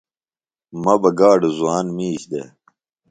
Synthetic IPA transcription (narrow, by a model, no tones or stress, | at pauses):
mɐbɐɡaːɖezuaːnmiːɕd̪ḛ